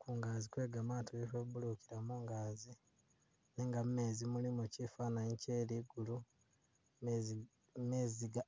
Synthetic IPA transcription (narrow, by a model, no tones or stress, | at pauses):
kuŋɡaːzikwe̞ːɡamaːtoβifebulukiɾamuːŋɡaːzi | neŋɡamme̞ːzimulimo̞cifaːnaɲceːliɡulu | meːziɡa